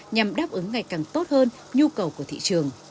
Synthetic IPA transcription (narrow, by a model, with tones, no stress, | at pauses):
ɲa˨˩mɗaː˦˥p̚ʔɨ˨˦ŋːa˨˩jkaː˨˩ŋt̪o˦˥t̚həː˧n | ɲu˧kə˨˩wku˧˩ət̪ḭ˧˨t͡ɕɨ˨˩əŋ